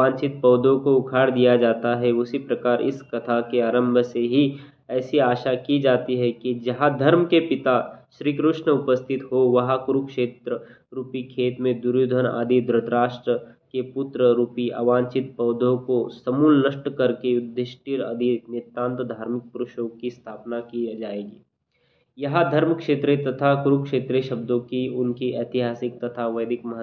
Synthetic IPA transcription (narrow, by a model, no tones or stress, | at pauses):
ãːnt͡ʃɪt̪̚pɐːd̪ʱõkoʊkʰaːɽd̪ijad͡ʒaːt̪aɦɛʊsipɾɐkaːɾɪ̰skɐt̪ʰakeaːɾə̃mbʱəseɦi | ɛːsiaːʃakid͡ʒaːt̪iɦɛkid͡ʒɐɦãd̪ʱɐɾmkepɪt̪aʃɾiːkɾʊʃɳəʊpəst̪ʰɪt̪ɦoʋɐɦakʊɾukʃeːt̪ɾə | ɾuːpikʰeːt̪mẽd̪ʊɾjud̪ʱəna̰ːd̪ʱid̪ɾɐt̪ɾaːʃʈɾəkepʊt̪ɾəɾuːpiʔa̰ːʋãːnt͡ʃɪt̪̚pɐːd̪ʱõkosɐmuːlnɐʃʈkɐɾkejʊd̪ʱːeʃʈiɾɐ̰d̪ʱinet̪ãːnt̪əd̪ʱaːɾmɪk̚pʊɾʊʃõːkist̪ʰaːpnakid͡ʒaːeːɡiː | jɐɦad̪ʱɐɾmkʃeːt̪ɾet̪ɐt̪ʰakʊɾukʃeːt̪ɾeʃɐb̚d̪õkiʊnkiʔɛːt̪ɪɦaːsɪk̚t̪ɐt̪ʰaʋɐjd̪ʱɪkmɐɦ